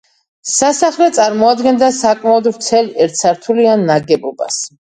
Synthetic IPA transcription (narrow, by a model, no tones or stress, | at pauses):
sasaχlɛt̪sʼaɾmɔad̪ɡɛnd̪asakʼmaɔd̪ɾt̪sʰɛlɛɾt̪sʰaɾt̪ʰulianːaɡɛbɔba̰s